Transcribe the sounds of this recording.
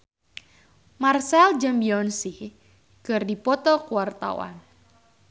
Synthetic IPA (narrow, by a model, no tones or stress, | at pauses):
marsɛld͡ʒambiɔnsi | kɨrdipɔt̪ɔkuwart̪a̰wa̰n